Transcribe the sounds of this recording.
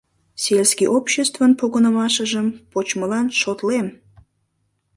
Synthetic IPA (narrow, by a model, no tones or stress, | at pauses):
selskiʔopɕest̪vənpoɣənəmɑʃəʒəmpot͡ɕməlɑnʃot̪lem